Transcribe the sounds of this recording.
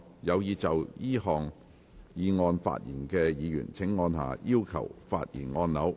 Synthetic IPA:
jɐ˨˧wjiː˨˧t͡sɐ˨wjiː˥hɔː˨ŋ | jiː˨˧ŋɔː˧nfa̰ː˧t̚jiː˨˩nkɛː˧jiː˨˧jy̰ː˨˩nt͡sʰɪ˨˥ŋːɔː˧nɦa̰ː˨˧jiː˥wkʰɐ̰˨˩wfa̰ː˧t̚jḭː˨˩nŋɔː˧nlɐ˨˥w

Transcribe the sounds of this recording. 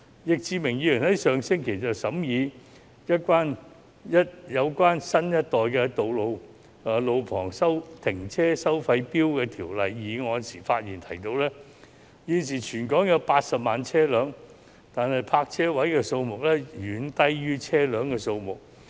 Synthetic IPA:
jɪ˨k̚t͡siː˧mɪ˨˩ŋjiː˨˧jɵ˨˩nhɐ˨˥jsœː˨ŋsɪ˥ŋkʰe˨˩jt͡sɐ˨wsɐ˨˥mjiː˨˧ | jɐ˥t̚kwaː˥n | jɐ˥t̚jɐ˨˧wkʷaː˥nsɐ˥njɐ˥t̚t̪ɔː˨jkɛː˧t̪o˨wlo˨˧w | ɐː˨˩lo˨˧wpʰɔː˨˩ŋsɐ˥wt̪ʰɪ˨˩ŋt͡sʰɛː˥sɐ˥wfɐ˧jpiː˥wkɛː˧t̪ʰiː˨˩wlɐ˨jːiː˨˩ŋɔː˨˧jnsiː˨˩faː˧t̚jiː˨˩nt̪ʰɐ˨˩jt̪o˧wlɛː˥ | jiː˨˧ns̬iː˨˩t͡ʃʰyː˨˩nkɔː˨˥ŋjɐ˨˧wpaː˧t̚sɐ˨p̚maː˨nt͡sʰɛː˥lœː˨˧ŋ | t̪aː˨nhɐ˨jpʰaː˧k̚t͡sʰɛː˥wɐ˨˥jkɛː˧so˧wmʊ˨k̚lɛː˥jyː˨˥nt̪ɐ˥jjyː˥t͡sʰɛː˥lœː˨˥ŋkɛː˧so˧wmʊ˨k̚

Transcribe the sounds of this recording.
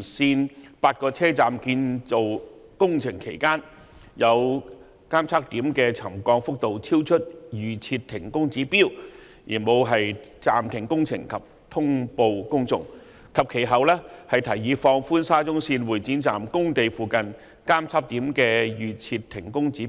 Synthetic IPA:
siː˧npaː˧t̚kɔː˧t͡sʰɛː˥t͡saː˨mkiː˧nt͡so˨w | kʊ˥ŋt͡sʰɪ˨˩ŋkʰe˨˩jkaː˥n | jɐ˨˧w | kaː˥mt͡sʰaː˥k̚t̪iː˨˥mkɛː˧t͡sʰɐ˨˩mkɔː˧ŋfʊ˥k̚t̪o˨wt͡sʰiː˥wt͡ʃʰɵ˥t̚jyː˨˩t͡sʰiː˧tt̪ʰɪ˨˩ŋkʊ˥ŋt͡siː˨˥piː˥w | jḭː˨˩nmo˨˧wɦɐ˨jt͡saː˨mt̪ʰɪ˨˩ŋkʊ˥ŋt͡sʰɪ̰˨˩ŋkʰɐ˨˩p̚ | t̪ʰʊ˥ŋpo˨˧wkʊ˥ŋt͡sʊ̰˨˩ŋ | kʰɐ˨p̚kʰe˨˩jɦɐ˨wlɛː˥hɐ˨jt̪ʰɐ˨˩jːiː˨˧fɔː˧ŋfuː˥nsaː˥t͡sʊ˥ŋsiː˧nwuː˨˩jt͡si˨˥nt͡saː˨mkʊ˥ŋt̪e˨jfuː˨kɐ˨n | kaː˥mt͡sʰaː˥p̚t̪iː˨˥mkɛː˧jyː˨t͡sʰiː˧t̪ʰːɪ˨˩ŋkʊ˥ŋt͡siː˨˥

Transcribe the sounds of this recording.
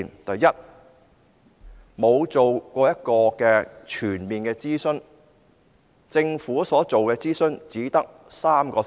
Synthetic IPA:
nt̪ɐ˨jːɐ˥t̚ | mo˨˧wt͡so˨wkʷɔː˧jɐ˥t̚kɔː˧kɛː˧t͡ʃʰyː˨˩nmiː˨nkɛː˧t͡siː˥sɵ˥n | t͡sɪ˧ŋfuː˨˥sɔː˨˥t͡so˨wkɛː˧t͡siː˥sɵ˥nt͡siː˨˥t̪ɐ˥k̚ | saː˥mkɔː˧

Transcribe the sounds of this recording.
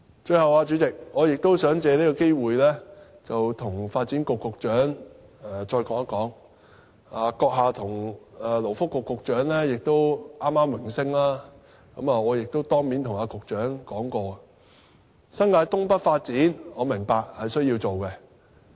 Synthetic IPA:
t͡ʃɵ˧ɥhɐ˨waː˧t͡ʃyː˨˥t͡sɪ˨k̚ŋɔː˨˧jɪ˨k̚t̪o˥wsœː˨˥ŋt͡sɛː˧liː˥kɔ˧ke˥jwuː˨jlɛː˥ | t͡sɐ˨wt̪ʰʊ˨˩ŋfaː˧t̚t͡siː˨˥nkʊ˨kːʊ˨k̚t͡ʃœː˨˥ŋ | ɛ˨˩t͡ʃɔː˧jkɔː˨˧˥ŋɐ˥kɔː˨˥ŋ | aː˨˧kɔː˧k̚ɦaː˨t̪ʰʊ˨˩ŋɛː˨lo˨˩wfʊ˥kːʊ˨kːʊ˨k̚t͡ʃœː˨˥ŋlɛː˥jɪ˨k̚t̪o˥wʔaː˥mːaː˥mwɪ˨˩ŋsɪ˥ŋlaː˥ | kɐ˨˥maː˨˩ɔː˨˧jɪ˨k̚t̪o˥wt̪ɔː˥ŋmiː˨˥nt̪ʰʊ˨˩ŋaː˨˧kʊ˨k̚t͡ʃœː˨˥ŋkɔː˨˥ŋkɔː˧ɐ˧ | sɐ˥nŋaː˧jt̪ʊ˥ŋpɐ˥t̚faː˧t̚t͡siː˨˥nŋɔː˨˧mɪ˨˩ŋpaː˨k̚hɐ˨jsɵ˥ɥjiː˧wt͡so˨wkɛ˧

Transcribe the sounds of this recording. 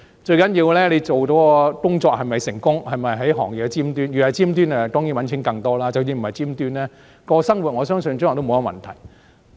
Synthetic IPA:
t͡ʃɵ˧ɥkɐ˨˥njiː˧wlɛː˥le˨˧t͡ʃo˨wt̪o˨˥wɔ˧kʊ˥ŋt͡ʃɔː˧k̚hɐ˨jmɐ˨jsɪ˨˩ŋkʊ˥ŋhɐ˨jmɐ˨jɦɐ˨˥jɦɔː˨˩ŋjɪ˨˩kːɛ˧t͡siː˥mt̪yː˥njyː˨˩ɐ˨˩jt͡siː˥mt̪yː˥nɛ˨t̪ɔː˥ŋjiː˨˥nwɐ˨˥nt͡sʰɪ˨˥ŋkɐ˧ŋt̪ɔː˥laː˥t͡sɐ˨wjiː˧m̩˨˩hɐ˨jt͡siː˥mt̪yː˥nlɛː˥ | kɔː˧sɐ˥ŋwu˨t̚ŋɔː˨˧sœː˥ŋsɵ˧nt͡ɕŋː˨˩t̪mo˨˧˦ɐ˧mɐ̰˨˩nt̪ʰɐ˨˩j

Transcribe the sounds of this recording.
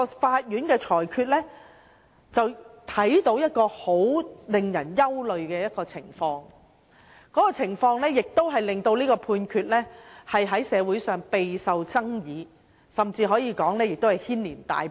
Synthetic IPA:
ɔ˧faː˧t̚jyː˨˥nkɛː˧t͡ʃʰɔː˨˩jkʰyː˧t̚lɛː˥ | t͡sɐ˨wt̪ʰɐ˨˥jt̪o˨˧˥wjɐ˥t̚kɔː˧ho˨˥wlɪ˨ŋjɐ˨˩njɐ˥wlɵ˨ɥkɛː˧jɐ˥t̚kɔː˧t͡sʰɪ̰˨˩ŋfɔː˧ŋ | kɔː˨˥kɔː˧t͡sʰɪ˨˩ŋfɔː˧ŋlɛː˥jɪ˨k̚t̪o˥wɦɐ˨jlɪ˨ŋt̪o˧wliː˥kɔː˧pʰuː˧nkʰyː˧t̚lɛː˥hɐ˨jɦɐ˨˥jsɛː˨˧wuː˨˥jsœː˨ŋpe˨jsɐ˨wt͡sɐ˥ŋjiː˨˧ | sɐ˨mt͡siː˧ɦɔː˨˥jiː˨˧kɔː˨˥ŋlɛː˥jɪ˨k̚t̪whɐ˨˩jhiː˥nliː˨˩nt̪a̰ː˨j

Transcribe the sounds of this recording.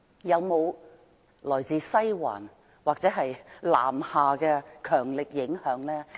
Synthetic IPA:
jɐ˨˧wmo˨˧w | lɔː˨˩jt͡siː˨˧sɐ˥jwa̰ː˨˩n | waː˨k̚t͡sɛː˨˥ɦɐ˨jla̰ː˨˩mhaː˨kɛː˧kʰœː˨˩ŋlɪ˨k̚jɪ˨˥ŋhœː˨˥ŋlɛː˥

